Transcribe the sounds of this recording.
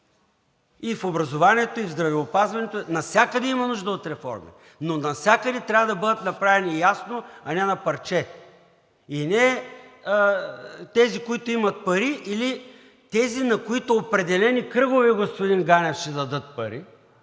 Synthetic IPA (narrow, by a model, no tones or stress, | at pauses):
ifobɾɐzovaniɛt̪oivzd̪ɾɐvɛopazvɐnɛt̪oɛnɐfsʲjakəd̪ɛimɐnuʒd̪əot̪ɾɛfɔ̰ɾmɛ̰ | nonɐfsʲjakəd̪ɛt̪ɾʲavɐd̪ɐbɤd̪ət̪nɐpɾavɛnijasnoɐnɛnɐpɐɾt͡ʃɛ | inɛ | t̪ɛzikoit̪ʊimɐt̪̚pɐɾiʔili | t̪ɛzinɐkoit̪oːpɾɛd̪ɛlɛnikɾɤɡovɛɡospod̪inɡanɛfʃɛd̪ɐd̪ɤt̪̚pɐɾi